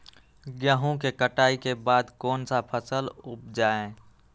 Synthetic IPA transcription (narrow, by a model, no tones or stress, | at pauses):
ɡjaːɦõkekəʈaːikebaːd̪kɔːnsapʰəsəlʊp̚d͡ʒaːẽ